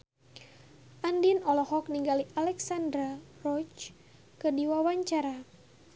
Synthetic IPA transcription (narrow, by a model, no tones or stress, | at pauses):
ʔandinɔlɔhɔk̚niŋɡaliʔalɛksandɾarɔt͡ʃ | kɨdiwawaɲt͡ʃaɾa